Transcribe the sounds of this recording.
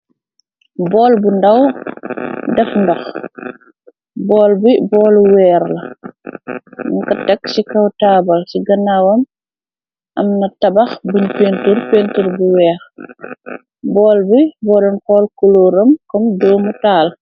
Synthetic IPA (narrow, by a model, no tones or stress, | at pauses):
bɔːlbundɐw | dɛfndɔx | bɔːlbibɔːluwɛːɾlɐ | ŋkɐtɐkːsikɐwtaːbɐlsiɡɐnawɐm | ʔɐmnɐtɐbɐxbəɲpeːnturpeːntuɾbuwɛːɾ | bɔːlbibɔːlɐnkɔːlkuloːɾɐmkɔmdɔːmutaːl